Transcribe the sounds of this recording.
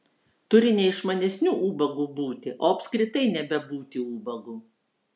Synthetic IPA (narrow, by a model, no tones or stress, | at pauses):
t̪ʊɾʲɪnʲɛɪʃmɐnʲɛsʲnʲuːʔuːbɐɡuːbuːt̪ʲɪʔoːɐpʲsʲkɾʲɪt̪ɐɪnʲɛbʲɛbuːt̪ʲɪuːbɐɡuː